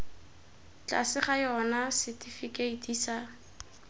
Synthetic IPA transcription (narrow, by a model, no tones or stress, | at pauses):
t͡ɬʼa̰sɪχajɔnasɪtifikʼeitʼiːsa